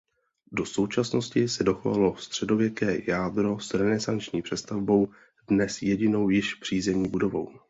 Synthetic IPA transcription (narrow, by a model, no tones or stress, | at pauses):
do̞so̞wt͡ʃasno̞scɪsɛdo̞xova̰lo̞st̪r̥ɛdo̞vjɛkɛːjaːdɾo̞sɾɛnɛzant͡ʃɲiːpr̥ɛst̪avbo̞w | dnɛsjɛɟɪno̞wjɪʃvr̝̥iːzɛɲiːbudo̞vo̞w